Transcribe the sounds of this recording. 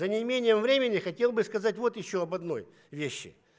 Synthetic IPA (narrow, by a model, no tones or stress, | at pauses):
zənʲɪmʲenʲɪjəmvɾʲemʲɪnʲɪxɐtʲe̞lˠbɨskɐzatʲvo̞t̪jɪɕːoɐbɐd̪no̞̰j | vʲeɕːɪ̰